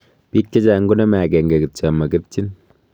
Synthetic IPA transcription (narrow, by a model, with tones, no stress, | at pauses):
pi˦t̚ke˦t͡ʃa˨˦ŋɡo˦nɐ˦ma˨kɛ˨ŋɡe˨kɪ˨t̚t͡ʃa˨mɐ˨kɪ˦tt͡ʃi˦n